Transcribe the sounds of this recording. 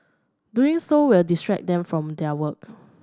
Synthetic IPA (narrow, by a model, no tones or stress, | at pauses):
duĩŋsowɪldistɹɛk̚d̪ɛ̃mfɹɔ̃mdɛəwək̚